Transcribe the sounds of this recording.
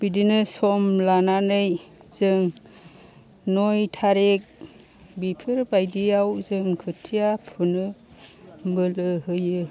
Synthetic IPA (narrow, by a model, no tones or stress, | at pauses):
b̥idinɯsɔmlananɯjz̥ɯŋ | nɔjtʰaɾek̚ | bipʰɯɾbajdiawzɯŋkʰɯtʰijapʰɯnɯ | bɯlɯɦɯjɯ